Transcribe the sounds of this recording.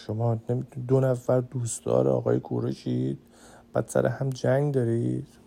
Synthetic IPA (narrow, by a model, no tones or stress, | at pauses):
ʃomɒːnemit̪ʰuid̪onæfæɾd̪uːst̪ɒ̰ːɾ̰ɒ̰ɣɒːjekʰṵɾeʃid̪̥ | b̥æ̰ːd̪̥sæ̰ɾʔḛhæmd͡ʒæŋɡd̪ɒːɾid̪̥